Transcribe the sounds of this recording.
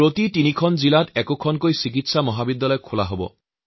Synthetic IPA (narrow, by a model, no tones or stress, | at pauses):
pɾot̪itinikʰɔnd͡ʒilaʈɛkokʰɔnkojsikit̪samɔɦabid̪ːalɔjkʰolaɦobɔ̰